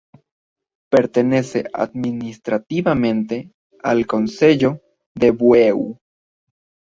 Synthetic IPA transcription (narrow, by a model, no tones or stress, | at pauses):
pe̞ɾt̪e̞ne̞sḛʔʔa̰d̪minist̪ɾat̪iβamẽ̞nt̪e̞ | a̰lko̞nse̞ʝo̞ | ðeβwew